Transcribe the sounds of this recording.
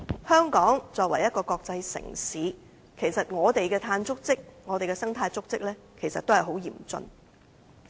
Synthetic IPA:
hœː˥ŋkɔː˨˥ŋt͡sɔː˨˧k̚wɐ˨˩jɐ˥t̚kɔː˧kɔː˧k̚t͡sɐ˧jsɪ̰˨˩ŋsiː˨˥ | kʰe˨˩jsɐ˨t̚ŋɔː˨˧t̪e˨jkɛː˧t̪ʰaː˧nt͡sʊ˥k̚t͡sɪ˥k̚ŋɔː˨˧t̪e˨jkɛː˧sɐ˥ŋt̪ʰaː˧jt͡sʊ˥k̚t͡sɪ˥k̚lɛː˥ | kʰe˨˩jsɐ˨t̪o˥hɐ˨˩jɦo˨˥wjḭː˨˩mt͡sɵ̰˧n

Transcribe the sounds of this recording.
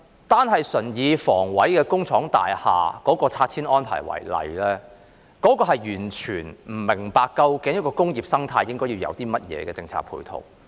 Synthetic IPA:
t̪aː˥nɦɐ˨jsɵ˨˩njiː˨˧fɔː˨˩ŋwɐ˨˥jkɛː˧kʊ˥ŋt͡ʃʰɔː˨˥ŋt̪a̰ː˨jha̰ː˨kɔː˨˥kɔː˧t͡sʰaː˧t̚t͡sʰiː˥nʔɔː˥npʰa̰ː˨˩jwɐ̰˨˩jlɐ̰˨˧jlɛː˥ | kɔː˨˥kɔː˧ɦɐ˨jjyː˨˩nt͡ʃʰyː˨˩nm̩˨˩mɪ˨˩ŋpaː˨kːɐ˧wkɪ˨˥ŋjɐ˥t̚kɔː˧kʊ˥ŋjiː˨p̚sɐ˥ŋt̪ʰaː˧jːɪ˥ŋkɔː˥jiː˧wjɐ̰˨˧wt̪iː˥mɐ˥t̚jɛ̰ː˨˧kɛː˧t͡sɪ˧ŋt͡sʰa̰ː˧k̚pʰṵː˧˩jt̪ʰo̰˨˩w

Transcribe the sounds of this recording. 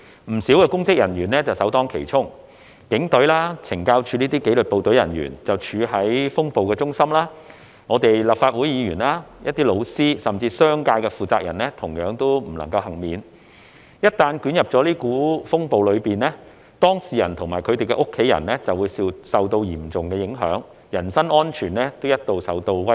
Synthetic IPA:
m̩˨˩siː˨˥wkɛː˧kʊ˥ŋkɪ˥k̚jɐ˨˩nɥyː˨˩nlɛː˥t͡sɐ˨wsɐ˨˥wt̪ɔː˥ŋkʰḛ˨˩jt͡sʰʊ˥ŋ | kɪ˨˥ŋt̪ɵ˨˥laː˥t͡sʰɪ˨˩ŋkaː˥wt͡ʃʰyː˨˧niː˥t̪iː˥ke˨˥lɵ˨t̚po˨wt̪ɵ˨˥jɐ̰˨˩nɥy̰ː˨˩nt͡sɐ˨wt͡ʃʰyː˨˧ɦɐ˨˥jfʊ˥ŋpo˨wkɛː˧t͡ʃʊ˥ŋsɐ˥mlaː˥ | ŋɔː˨˧t̪e˨jlɐ˨p̚faː˧t̚wuː˨˥jiː˨˧jyː˨˩nlaː˥jʔɐ˥t̚t̪iː˥lo˨˧wsiː˥sɐ˨mt͡siː˧sœː˥ŋkaː˧jkɛ˧fuː˨t͡saː˧k̚jɐ˨˩nlɛː˥t̪ʰʊ˨˩ŋjœː˨˥ŋt̪o˥wm̩˨˩lɐ̰˨˩ŋkɐ˧whɐ˨˩ŋmiː˨˧n | jɐ˥t̚t̪aː˧nkyː˨˥njɐ˨p̚t͡sɔː˨˥liː˥kuː˨˥fʊ˥ŋpo˨wlɵ˨˧ɥpiː˨nlɛː˥ | t̪ɔː˥ŋsiː˨jɐ˨˩nt̪ʰʊ˨˩ŋmaː˨˩kʰɵ˨˧ɥt̪e˨jkɛ̰˧ʔʊ˥kʰːe˨˥jɐ̰˨˩nlɛ˥t͡sɐ˨wːuː˨˧jsi˧sɐ˨wt̪o˧wjiː˨˩mt͡sʊ˨ŋkɛː˧jɪ˨˥ŋɦœ̰ː˨˥ŋ | jɐ˨˩nsɐ˥nʔɔː˥nt͡ʃʰyː˨˩nɛː˥t̪o˥wjɐ˥t̚t̪o˨wsɐ˨wt̪o˧wwɐ˥

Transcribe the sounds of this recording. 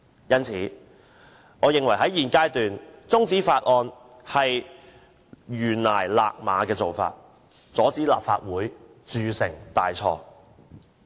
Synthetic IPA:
jɐ˥nt͡sʰiː˨˥ | ŋɔː˨˧jɪ˨ŋwɐ˨˩jɦɐ˨˥jjiː˨nkaː˥jt̪yː˨nt͡sʊ˥ŋt͡siː˨˥faː˧t̚ʔɔː˧n | hɐ˨j | jyː˨˩nlaː˨˩jla̰ː˧k̚ma̰ː˨˧kɛː˧t͡so˨wfa̰ː˧t̚ | t͡sɔː˨˥t͡siː˨˥la̰ː˨p̚fa̰ː˧t̚wuː˨˥j | t͡syː˨˧sɪ˨˩ŋt̪aː˨jt͡sʰɔ̰ː˧

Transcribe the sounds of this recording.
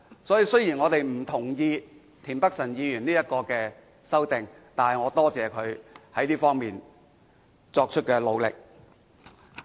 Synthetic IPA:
sɔː˨˥jiː˨˧sɵ˥ɥjiː˨˩nŋɔː˨˧t̪e˨jm̩˨˩t̪ʰʊ˨˩ŋjiː˧ | t̪ʰiː˨˩npɐ˥k̚sɐ˨˩njiː˨˧jyː˨˩niː˥jɐ˥t̚kɔː˧kɛː˧ | sɐ˥wt̪ɪ˨ŋ | t̪aː˨nhɐ˨jŋɔː˨˧t̪ɔː˥t͡sɛː˨˧kʰɵ˨˧ɥhɐ˨˥jliː˥fɔː˥ŋmiː˨n | t͡sɔː˧k̚t͡ʃʰɵ˥t̚kɛː˧lo˨˧wlɪ̰˨k̚

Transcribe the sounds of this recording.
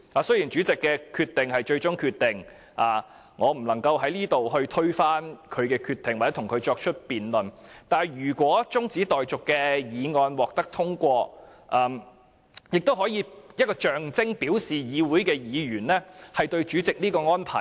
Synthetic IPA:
aː˨˧sɵ˥ɥji˨˩nt͡ʃyː˨˥t͡sɪ˨kːɛː˧kʰyː˧t̪̚ɪ˨ŋɦɐ˨jt͡ʃɵ˧ɥt͡sʊ˥ŋkʰyː˧t̪̚ɪ˨˩ŋ | ʔaː˨ | ŋɔː˨˧m̩˨˩lɐ˨˩ŋkɐ˧wɦɐ˨˥jliː˥t̪o˨wɦɵ˧ɥt̪ʰɵ˥ɥfaː˥nkʰɵ˨˧ɥkɛː˧kʰyː˧t̪ɪ˨ŋwa˨˩t͡sɛ˨˥t̪ʰʊ˨˩ŋkʰɵ˨˧ɥt͡ʃɔː˧k̚t͡ʃʰɵ˥t̚piː˨nlɵ˨˩nt̪aː˨˩njyː˨˩kʷɔː˨˥t͡sʊ˥ŋt͡siː˨˥t̪ɔː˨jt͡sʊ˨kːɛː˧jiː˨˧ŋɔː˧nwɔː˨k̚t̪ɐ˥k̚t̪ʰʊ˥ŋkʷɔː˧ʔaː˨˩m | jɪ˨k̚t̪o˥wɦɔː˨˥jiː˨˧jɐ˥kɔː˧t͡ʃœː˨ŋt͡sɪ˥ŋpiː˨˥wsiː˨jiː˨˧wuː˨˥jkɛː˧jiː˨˧ɥyː˨˩nlɛ˥hɐ˨jt̪ɵ˧ɥt͡ʃyː˨˥t͡sɪ˨k̚niː˥kɔː˧ŋɔː˥npʰa̰ː˨˩j

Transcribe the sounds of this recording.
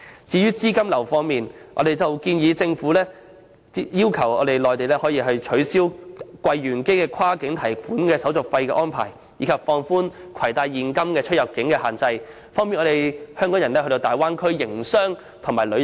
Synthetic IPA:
t͡siː˨˧ɥyː˥t͡siː˥kɐ˥mlɐ˨˩wfɔː˧ŋmiː˨nʔɔ̰˧d̪e˨jt͡sɐ˨wkiː˧njiː˨˧t͡sɪ˧ŋfuː˨˥lɛː˥ | jiː˥wkʰɐ˨˩wɔː˨˧ɾe˨jlɔː˨˩jt̪e˨jlɛː˥hɔː˨˥jiː˧ɦɐ˧ɥt͡ʃʰɵ˨˧˥ɥsiː˥wkwɐ˧jːyː˨˩nke˥jkɛː˧kʰaː˥kɪ˨˥ŋt̪ʰɐ˨˩jfuː˨˥nkɛː˧sɐ˨˥wt͡sʊ˨k̚fɐ˧jkɛː˧ʔɔː˥npʰa̰ː˨˩j | jiː˨˧˥kʰɐ˨p̚fɔː˧ŋfuː˥nkʰɐ˨˩jt̪aː˧jːiː˨nkɐ˥mkɛː˧t͡ʃʰɵ˥t̚jɐ˨p̚kɪ˨˥ŋkɛː˧haː˨nt͡sɐ˧j | fɔː˥ŋmi˨nʔɔː˨˧e˨jhœː˥ŋkɔː˨˥ŋjɐ˨˩nɛ˥hɵ˧t̪o˧wt̪aː˨jwaː˥nkʰɵ˥ɥjɪ˨˩ŋsœː˥ŋ | t̪ʰʊ˨˩ŋmaː˨˩jlɵ˨˧˥

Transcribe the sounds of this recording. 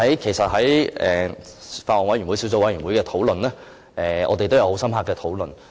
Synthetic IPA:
hɐ˨˥jkʰe˨˩sɐ˨t̚hɐ˨˥jɛ˨faː˧t̚ɔː˨nwɐ˨˥jy˨˩nwu˨˥jsi˨˥ws̬o˧wɐ˨˥jɥy˨˩nwu˨˧˥kɛː˧t̪ʰo˨˥wlɵ˨nlɛː˥ | ʔɛː˨ʔɔ̰ː˨˧t̪e˨t̪o˥wjɐ˧who˨˧˥wsɐ˥mɦaː˧kːɛː˧t̪ʰo˨˧˥wlɵ˨n

